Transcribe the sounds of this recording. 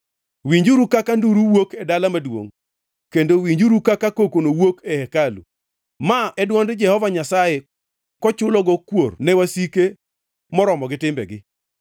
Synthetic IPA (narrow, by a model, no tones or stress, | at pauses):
wiɲd͡ʒuɾukakanduɾuwokɛdalamadwo̰ŋ | kendowiɲd͡ʒuɾukakakokonowokɛhɛkalṵ | maɛdwɔndd͡ʒɛhɔvaɲasaje | kɔt͡ʃʊlɔɡɔkwornɛwasike | mɔɾɔmɔɡɪtɪmbɛ̰ɡɪ